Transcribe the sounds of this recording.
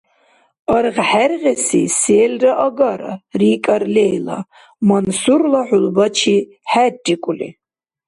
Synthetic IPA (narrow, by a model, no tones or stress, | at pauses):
ɑɾʁħærʁɛsiseːlraʔɐɡaɾa̰riːkʼaɾlɛjla̰ | mansuɾlaħʊlbat͡ʃʰi | ħæd͡ʒʼikʷʼulḭ